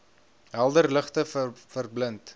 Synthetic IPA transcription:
ɦælˠdərləχtəfərblənt

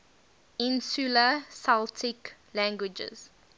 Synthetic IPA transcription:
ɪ̃nsuləsaltʰɪklæ̃ŋɡwɪd͡ʒə̰z̥

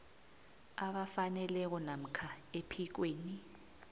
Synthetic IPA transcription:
aɓafanɛlɛk̬ɔnam̩kʰaepʰik̬weːni

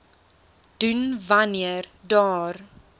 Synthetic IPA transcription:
d̥ʉnvaniərdɑːr

